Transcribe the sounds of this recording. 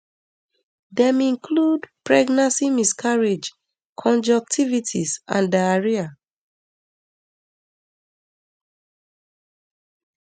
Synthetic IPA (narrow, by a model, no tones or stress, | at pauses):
dɛ̃mĩŋkʰludpɹɛɡnãnsimiskʰaɹed͡ʒ | kʰɔ̃nd͡ʒɔk̚tʰivitʰisã̰ndɛaɹia